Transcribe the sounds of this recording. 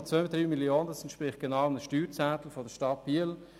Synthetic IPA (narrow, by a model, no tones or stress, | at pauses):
t͡sʋœːmədɾyːmiljoːnəndɑsɛnt̪ʃpɾɪχt̚ɡ̥enaʊʊmnəʃtyːɾt͡sæːt̪l̩fɔdəʃtɑt̚piəl